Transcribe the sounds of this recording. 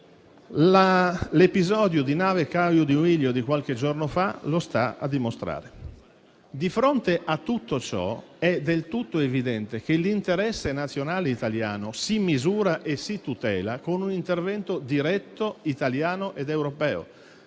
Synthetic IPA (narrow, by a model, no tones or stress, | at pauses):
lalepizɔːd̪jod̪inaːvekawjod̪iuiljod̪ikwalk̟ed͡ʒornofalost̪aa̰d̪ːimost̪ɾa̰ːɾe | d̪ifɾont̪eʔat̪ːut̪ːot͡ʃɔ̰ɛd̪elt̪ut̪ːoevid̪ɛnt̪ek̟elint̪eɾɛsːenat̪sːjonaːleit̪alja̰ːnosimizuːɾaʔesit̪ut̪ɛːlakonunint̪ervɛnt̪od̪iɾɛt̪ːoit̪aljaːnoʔed̪ewɾopɛːo̰